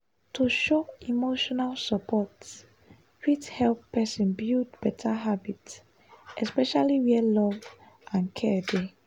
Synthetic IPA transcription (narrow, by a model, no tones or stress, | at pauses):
tʰuʃoimoʃɔnalsəpʰɔts | fithɛlpːɛsĩnbildbɛtʰaɦabit | ʔɛspɛʃaliwilɔv | ʔãnkʰɛde